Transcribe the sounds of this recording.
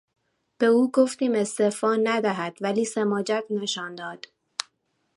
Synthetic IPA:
b̥e̞uːɡoft̪iːme̞st̪efɒːnæd̪æɦæd̪̥væliːsemɒːd͡ʒækneʃɒːnd̪ɒːd̪̥

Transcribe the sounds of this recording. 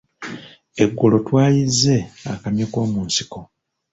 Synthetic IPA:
e̞ɡːolo̞twaːjizːe̞akamjiko̞ːmuːnsi̥ko̞

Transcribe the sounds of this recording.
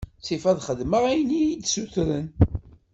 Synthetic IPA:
t͡sːifæðχəðməʁæjənijid̪suθɾən

